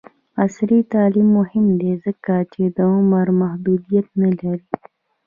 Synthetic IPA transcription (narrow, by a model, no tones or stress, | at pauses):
ɐsɾit̪aːlimːʊhimd̪eːzəkːaːt͡ʃid̪ɐ̃mɐɾmɐɦbuːd̪ijɐt̪̚melɐl